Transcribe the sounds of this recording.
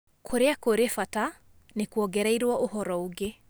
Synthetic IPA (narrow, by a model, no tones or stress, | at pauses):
kʰoɾeakoɾefata | nekuɔɡɛɾaiɾwɔʔohɔɾɔoɡe